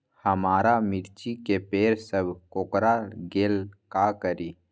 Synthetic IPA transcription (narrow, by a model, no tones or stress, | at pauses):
həmaːɾamɪɾt͡ʃikepeːɾsəbʱkoːkɾaɡeːlkakəɾiː